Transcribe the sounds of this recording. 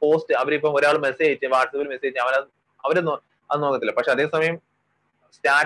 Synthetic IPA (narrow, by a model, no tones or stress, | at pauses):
po̞ːstɨɐʋɐɾipːɐmoɾaːɭumeseit͡ɕːɨʋaːʈsɐbilmesejit͡ɕːɨɐʋɐnɐ | ɐʋɐɾeno | ɐðɨnoːkːɐt̪ːilpɐkʂe̞ɐðe̞ːsɐmɐjɐm | staːɾ